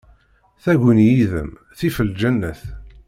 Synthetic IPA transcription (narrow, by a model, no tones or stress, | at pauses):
θæʝənjiðə̰m | θifəld͡ʒænːəθ